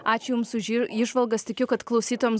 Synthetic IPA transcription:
ɑːt͡ʃʲʊjʊmsʊʒʲiɪʒʋɐlˠɡɐst̪ʲɪkʲʊkɐt̪klˠɒʊsʲiːt̪oːjɛms

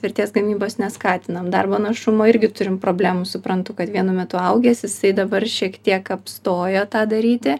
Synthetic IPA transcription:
ʋʲɪɾʲt̪ʲeːsɡɐmʲiːboːsnʲɛskɑːt̪ʲɪnɐmd̪ɐrboːnɐʃʊmoːɪɾʲɡʲɪt̪ʊɾʲɪmpɾoːbʲlʲæːmusʊpɾɐnt̪ʊkɐt̪ʋʲiɛnʊmʲɛt̪ʊɐʊɡʲɛːsjɪsɐɪd̪ɐbɐrʃʲiɛkt̪ʲiɛkɐpst̪oːjoːt̪ɑːd̪ɐɾʲiːt̪ʲɪ

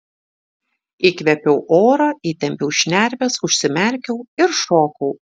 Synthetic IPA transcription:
ikʋʲɛpʲɛʊʔoːɾɐiːt̪ʲɛmʲpʲɛʊʃʲnʲæɾʲʋʲɛsʊʃʲsʲɪmʲæɾʲkʲɛʊɪɾʃoːkɐʊ

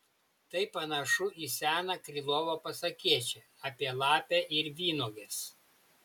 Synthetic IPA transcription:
t̪ɐɪpɐnɐʃʊʔisʲæːnɐkɾʲɪlˠoːʋoːpɐsɐkʲiɛt͡ʃʲɛ | ɑpʲiɛlˠɑːpʲæʔɪɾʋʲiːnoːɡʲes

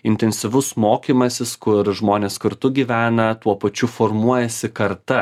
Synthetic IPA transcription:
ɪnʲt̪ʲɛnʲsʲɪʋʊsmoːkʲiːmɐsʲɪskʊɾʒmoːnʲeːskɐɾt̪ʊɡʲiːʋʲæːnɐt̪uɔpɐt͡ʃʲʊfoːɾmuɔjɛsʲɪkɐɾt̪ɐ

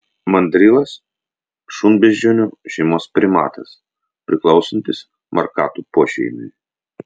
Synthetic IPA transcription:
mɐnʲd̪ʲɾʲɪlˠɐs | ʃunbʲɛd͡ʒʲoːnʲoːʒʲɛɪmoːspʲɾʲɪmɑ̰ːt̪ɐs | pʲɾʲɪklˠɒʊsʲɐnʲt̪ʲɪs | mʔɐ̰ɾkɑ̰ːt̪upoːʃʲɛ̰ɪmʲɪnʲ

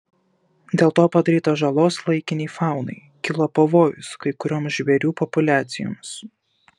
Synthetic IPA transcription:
d̪ʲeːlˠt̪oːpɐd̪ɐɾʲiːt̪ɐʒɐlˠoːslˠɐɪkʲɪnʲɛːfɑˑʊnɐ̰ɪ | kʲɪlˠɐpɐʋoːjʊskɐɪkʊɾʲoːmsʒʲʋʲɛɾʲuːpɔpʊlʲæːt̪sʲɪjo̰ːmʲs

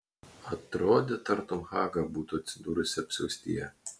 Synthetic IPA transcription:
ɐt̪ɾoːd̪ʲet̪ɐɾt̪ʊmxɑːɡɐbuːt̪ot̪sʲɪd̪uːɾosʲɛɐpʲsʲɛʊsʲt̪ʲḭjɛ

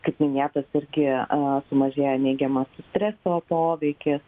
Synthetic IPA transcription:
kɐɪpmʲɪnʲeːt̪ɐsɪɾʲɡʲɪsʊmɐʒʲeːjɛnʲɛɪɡʲɛmɐsʊsʲt̪ʲɾʲɛsoːpoːʋʲɛɪkʲɪs

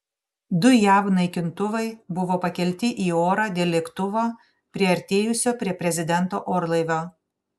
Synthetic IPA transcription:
d̪ʊjæːʋnɐɪkʲɪnt̪ʊʋɐɪbʊʋoːpɐkʲɛlʲt̪ʲɪʔiːoːɾaːd̪ʲeːlʲɛkt̪ʊʋoː | pʲɾʲiɛɐɾʲt̪ʲeːjʊsʲoːpʲɾʲiɛpʲɾʲɛzʲɪd̪ʲɛnˑt̪oːʔoːɾlˠɐɪʋʲoː

